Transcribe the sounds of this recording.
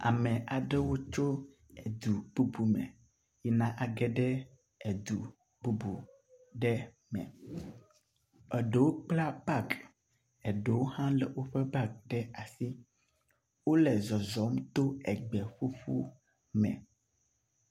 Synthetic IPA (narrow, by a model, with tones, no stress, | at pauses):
a̰˨mɛ̃˨ʔa˨ɖɛ˦wo˦t͡ʃo˦ | ɛ˨d̪u˨b̥u˦bu˨mɛ̰̃˨ | jɛ˦nã˨ʔa˨ɡɛ˦ɖɛ˦ | ɛ˨d̪u˨ | bu˦bu˨ | ɖɛ˦ | mɛ̰̃˨ | ɛ˨ɖɛ˨wo˦k͡pla˦ba˦˨k | ɛ˨ɖe˨wo˦hã˦lɛ˨wo˦ɸɛ˦ba˦k̚ɖɛ˦a˨si˦ | wo˦lɛ˨zɔ˨zɔ˨˦m˦t̪o˦ɛ˨ɡ͡bɛ˨ɸu˦ɸṵ˦ | mɛ̰̃˨